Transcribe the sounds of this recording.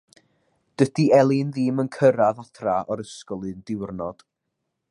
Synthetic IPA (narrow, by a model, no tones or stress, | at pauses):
d̥əd̥iɛlˠɨnðɨːmənkʰəɾaðatʰraʔɔɾəskɔlˠɨndɪwrnɔd̥